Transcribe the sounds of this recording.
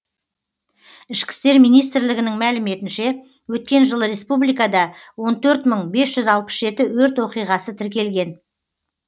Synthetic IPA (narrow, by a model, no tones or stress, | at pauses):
ɪʃkʲɪ̥st̪e̞ɾmijnijst̪ɪɾlɪɡʲɪnɪŋmælɪme̞t̪ɪnʃe̞ | wɵt̪̚kʲe̞nʒəlˠəɾe̞spublijkɑd̪ɑwo̞nt̪ʰɵɾt̪məɴbe̞sʒ̥ʏzɑlˠpə̥sʒe̞t̪ɪwɵɾt̪wo̞qijʁɑsət̪ʰɪɾkʲe̞lɡʲe̞n